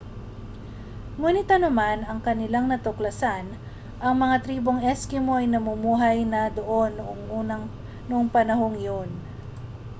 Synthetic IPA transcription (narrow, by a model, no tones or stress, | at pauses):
muːnɪt̪ɐnɐmanɐŋkɐnɪlaŋnɐt̪oklɐsan | ʔɐŋmɐŋat̪ɾiːbo̞ŋʔɛskɪmoʔɐjnɐmumuːɦɐjnɐd̪oʔo̞nːʊʔoŋʔuːɐ | nʊʔoŋpɐnɐho̞ŋjon